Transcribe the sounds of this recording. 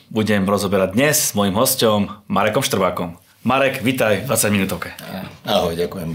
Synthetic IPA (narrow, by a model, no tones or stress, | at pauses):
buɟɛmɾɔzɔbɛɾaɟ̚d̪ɲɛzz̥mɔjimɦɔscɔmːaɾɛkɔmʃt̪r̩ʋaːkɔmː | aɾɛɡʋit̪ajd̪ʋat͡saɟminut̪ɔʊkɛaɦɔjɟakujɛm